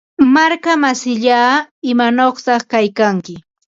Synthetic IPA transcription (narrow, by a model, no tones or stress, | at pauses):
maɾkamasɪʎaːɪmanoχt̪ɑχkajkaŋkɪ